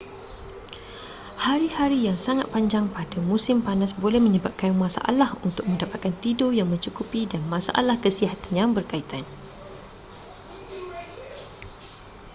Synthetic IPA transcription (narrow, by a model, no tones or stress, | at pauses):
haɾihaɾijaŋsaŋat̪̚paɲd͡ʒaŋpadamũsɪmpanasbolɛhmə̃ɲəbap̚kamãsa̰ʔa̰lahunt̪ʊk̚mə̃ndapat̪̚kant̪idojaŋmə̃ɲt͡ʃukupidanmãsa̰ʔa̰lahkəsiɦat̪anjaŋbərkait̪an